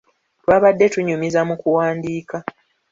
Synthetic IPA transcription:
twaːβadːe̞tuɲumizamukuwaːndiːka

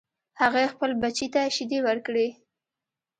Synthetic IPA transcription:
haɣaexpəlbat͡ʃit̪aʃid̪ewəɾkɽe

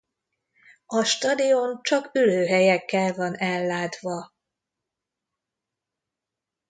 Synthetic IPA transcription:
ɒʃt̪ɒd̪io̞nt͡ʃɒkyløːɦɛjɛkːɛlvɒnɛlːaːt̪ʋɒ

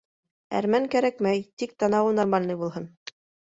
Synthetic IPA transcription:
æ̰ɾmæŋkæɾækmæjt̪ik̚t̪ɑnɑwɤnɑɾmɑnlˠɤjbulˠɦɤn

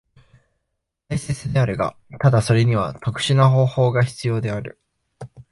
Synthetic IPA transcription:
taise̞t͡sɨd̪e̞aɾɯ̟ɡa̰t̪ad̪aso̞ɾe̞ɲ̟iβ̞at̪okɯ̟̥ɕinaɦo̞ːho̞ːɡaçi̥t͡sɨjo̞ːd̪e̞aɾɯ̟̰

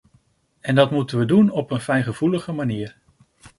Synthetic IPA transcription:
ɛndɑtmutənʋədunɔpənfɛjχəv̥uləχəmaniːɹ

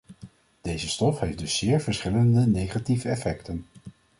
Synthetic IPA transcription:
d̥ejzəstɔfɦejfdɵsːɪːɹvəɹsχɪləndənejχativəɛfɛktən

